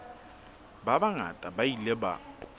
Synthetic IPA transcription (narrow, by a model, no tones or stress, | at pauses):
babaŋa̰tʼabaileba̰